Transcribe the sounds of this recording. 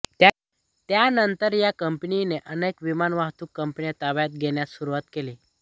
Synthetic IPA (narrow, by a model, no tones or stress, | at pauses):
t̪a | t̪janənt̪əɾjakəmpnineʔənekʋimanʋaɦt̪uːkːəmpnijat̪aʋjat̪̚ɡʱeɳjasuɾuʋat̪keliː